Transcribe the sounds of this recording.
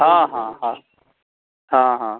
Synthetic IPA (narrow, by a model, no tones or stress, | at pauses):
ɦãːɦãːɦã | hãːɦãː